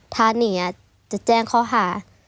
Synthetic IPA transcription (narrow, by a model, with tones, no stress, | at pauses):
t̪ʰaː˧˦ni˧˩˨a˧˦ | t͡ɕa˨˧˩t͡ɕɛː˧˩ŋkʰɔː˧˩ɦaː˨˦